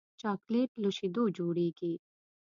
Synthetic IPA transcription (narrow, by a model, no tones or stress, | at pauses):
t͡ʃaːkleːʈlʊʃid̪uːd͡ʒuːɽiːɡeː